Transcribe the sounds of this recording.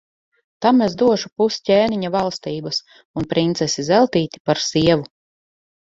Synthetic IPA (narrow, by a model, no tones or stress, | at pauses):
t̪amezd̪uɔʃupuscʲɛːniɲavalˠst̪iːbɐs | unpɾint̪sɛsizɛlˠt̪iːt̪ʲi̥paɾsiɛvu